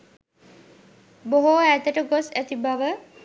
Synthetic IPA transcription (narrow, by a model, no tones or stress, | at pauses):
boɦoæt̪əʈəɡosæt̪ibaʋə